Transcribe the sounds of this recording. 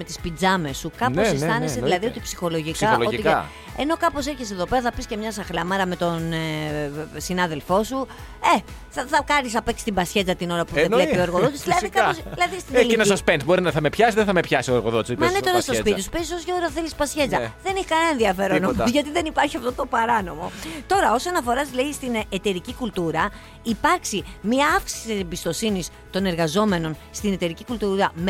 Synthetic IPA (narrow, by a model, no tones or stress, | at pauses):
me̞t̪ispid͡zɐme̞sukɐnposest̪ɐneseðilɐðio̞t̪ipsi̥xo̞lo̞ʝikɐloo̞tiɐ̰ | e̞no̞kɐpo̞se̞ɾçeseðo̞pe̞ɾɐθɐpiscemɲɐs̬ɐxlɐmɐɾɐme̞t̪o̞n | sinɐðelfo̞su | e̞θɐθɐkɐnisɐpeksi̥st̪ibɐsçe̞d͡zɐt̪ino̞ɾɐpuððevle̞pio̞eɾɣoðo̞t̪iszðilɐðikɐpsilɐðist̪inliinɐospent̪bo̞ɾinɐθɐme̞pçɐsizðeθɐmepçɐsioeɾɣo̰ðot̪smɐnet̪o̞ɾɐst̪ospit̪su̥pesisosʝoɣɾθelispɐsçe̞d͡zɐðe̞niçkɐnɐenðiɐfe̞ɾonomzʝɐt̪̬iðe̞nipɐɾçiɐft̪o̞t̪obɐɾɐno̞mo̞t̪o̞ɾɐo̞sonɐfo̞ɾɐsleist̪inet̪e̞ɾicikult̪uɾɐ | ipɐɾksimiɐɐfksi̥si̥ssieembist̪o̞sinis | t̪o̞ne̞ɾɣɐzo̞me̞no̞nst̪ine̞t̪e̞ɾicikult̪uɾɐm